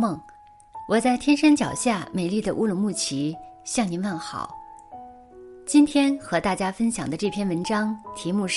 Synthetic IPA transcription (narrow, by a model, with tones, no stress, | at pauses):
ɤ˥˩ŋ | wɔ˨˩t͡sa˥˩ɪt̪ʰjɛ˥nʂə˥nt͡ɕjɑ˨˩ʊɕja˥˩me˨˩ɪli˥˩d̪ə˩ʔu˥lʊ˧˥ŋmu˥˩t͡ɕʰi˧˥ɕjɑ˥˩ŋni˧˥nwa˥˩nxɑ̰˨˩˦ʊ | t͡ɕi˥nt̪ʰjɛ˥nxɤ˧˥t̪a˥˩t͡ɕja˥fə˥nɕjɑ̰˨˩ŋd̪ə˦ʈ͡ʂɤ˥˩pʰjɛ˥˩nwə˧˥nʈ͡ʂɑ˥ŋt̪ʰi˧˥mu˥˧ʂ